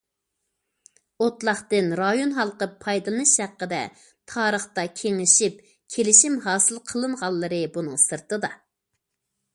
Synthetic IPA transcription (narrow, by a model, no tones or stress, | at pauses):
ot̪lˠɑχt̪ɨnɾɑjonɦɑlˠqəpʰɑjd̪ɨlˠɨnɨʃhæqːəd̪ɛ̰ | t̪ʰɑːɾəχt̪ɑkʲʰeŋɪʃip̚ | kʲʰelɪʃimɦɑːsɨlˠqʰəlˠɨɴʁɑlˠːɨɾɨbunɨŋsɨɾt̪ɨd̪ɑ